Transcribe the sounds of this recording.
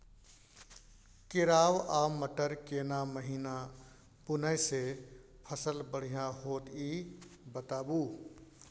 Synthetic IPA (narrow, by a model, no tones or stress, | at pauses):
kɪɾaːwaːməʈəɾkeːnaməɦiːna | pʊnəse | pʰəsəlbəɽ̤ijãɦoːt̪ibət̪aːbuː